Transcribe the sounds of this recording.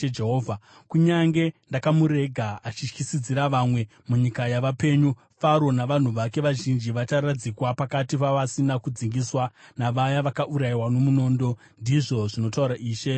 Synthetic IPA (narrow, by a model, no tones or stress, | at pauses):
d͡ʒeɦoːvʱa | kuɲaŋɡe̞ndakamuɾe̞ɡʱaat͡ʃiʃkisid͡ziɾaʋamwe̞ | muɲikajaʋape̞ːɲu | faɾo̞naʋan̤uʋake̞ʋaʒind͡ʒiʋat͡ʃaɾad͡zikwapakatipaʋasinakud͡ziŋɡiswanaʋajaʋakaʔuɾajiwano̞muno̞ːndo̞ | ndiʐo̞ʐino̞tauɾaʔiːʃe̞